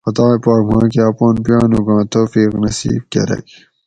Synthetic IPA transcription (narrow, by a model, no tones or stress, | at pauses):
ɐt̪aːjpɑːkmɑ̃ːk̬iaːpoːnpjɑːnuɡɑ̃ːt̪ʰoːfiːknɐsḭːb̚kʲḛɾɐ̰k